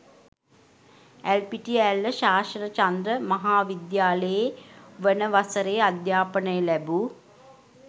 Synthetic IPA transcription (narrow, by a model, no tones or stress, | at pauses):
ælpiʈiɛlːəʃaːʃənət͡ʃand̪ɾəmɐɦaːʋid̪jaːləjeʋənəʋasəɾejad̪jaːpənəjəlæbu